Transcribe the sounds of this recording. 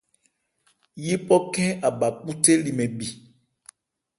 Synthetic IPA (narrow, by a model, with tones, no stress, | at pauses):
ji˦pɔ˦kɛ̃˦a˨ba˨k͡pu˦te˦li˨mɛ̃˨bi˨